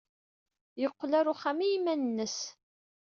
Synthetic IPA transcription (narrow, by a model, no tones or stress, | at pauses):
jəqːlæɾʊχæmijimːænənːəs